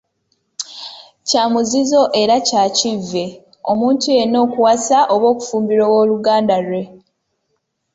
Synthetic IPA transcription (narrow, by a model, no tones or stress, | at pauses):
caːmuzizo̞ʔe̞ɾacaːcivːe̞ | o̞muːntuje̞no̞ːkuwasaʔo̞βo̞ːku̥fuːmbiɾowo̞ːluɡaːndaɾwe̞